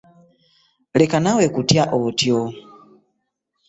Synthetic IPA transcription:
lekanawekutjaʔotjo

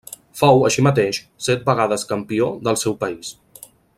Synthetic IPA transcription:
fawəʃimət̪eʃ | sɛt̪̚bəɣ̞aðəskəmpioðəlˠsɛwpəis

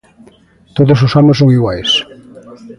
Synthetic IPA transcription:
t̪oðos̬ʊsamʊsoŋiɣwajs

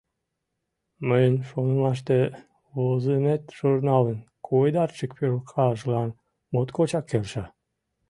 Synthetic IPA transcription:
məjənʲʃonəlɑʃ̬t̪e | βozemet̪ʒ̥urnɑlənkʰojd̪ɑrt͡ɕək̚pølkʰɑʒlɑn | mot̪kot͡ɕɑkːelʃɑ

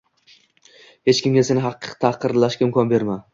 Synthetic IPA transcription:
he̞t͡ʃkʲɪmɡʲasenɪɦɑqːɨ̥t̪ʰaqɨɾlaʃkʲaɪmkʰɒnbe̞ɾma

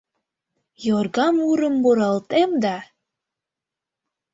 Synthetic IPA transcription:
jorɣɑmuɾəmboɾɑlt̪emd̪ɑ

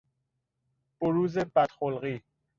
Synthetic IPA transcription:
b̥oɾuːzebæt̪xolɢiː

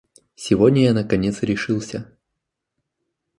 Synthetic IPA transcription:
sʲɪvodʲnʲəjanəkɐnʲe̞t̪sɾʲɪʂɨlˠsʲə

